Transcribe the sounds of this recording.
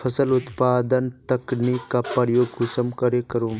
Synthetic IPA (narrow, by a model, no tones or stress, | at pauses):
pʰɐsəlut̪paːd̪ənt̪ɐknikapɐɾjoːɡɡusɐmkɐɾekɐɾum